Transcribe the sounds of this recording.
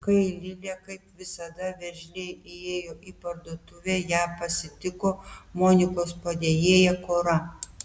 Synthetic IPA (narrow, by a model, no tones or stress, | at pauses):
kɐɪlʲɪlʲeːkɐɪpʋʲɪsɐd̪ɐʋʲɛʒʲlʲeɪeːjoːʔiːpɐɾd̪oːt̪ʊʋʲeːjæːpɐsʲɪt̪ʲɪkoːmoːnʲɪkoːspɐd̪ʲeːjeːjɛkoːɾɐ